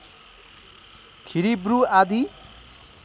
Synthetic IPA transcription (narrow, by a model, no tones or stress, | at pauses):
kʰiɾibɾuad̪i